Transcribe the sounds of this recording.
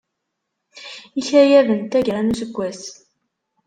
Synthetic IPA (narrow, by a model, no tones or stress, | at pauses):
içæjæðənt̪ːæʝɾænusəɡʷːæs